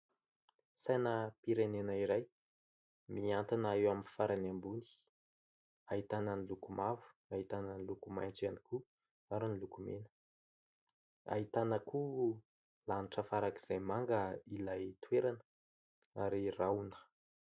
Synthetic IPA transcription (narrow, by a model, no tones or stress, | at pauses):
sajnəpiɾenenəiɾaj | miant̪inaewaminfaɾanambuni̥ | ait̪anənilukumavu̥ | aɦit̪anənilukumajnt͡saniku | aɾinilukumenə̥ | a̰ɦit̪anəku | laniʈ͡ʂəfaɾaki̥z̥ajmaŋɡəilajt̪weɾanə | aɾirawnə̥